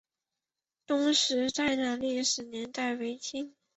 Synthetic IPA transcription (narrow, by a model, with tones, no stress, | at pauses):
t̪ʊ˥ŋʂɻ̩˧˥t͡sa˥˧ɪna˨˥nli˥˩ʂɻ̩˨˩njɛ˧˥nt̪a˥˩ɪwe˧˥ɪt͡ɕi˥n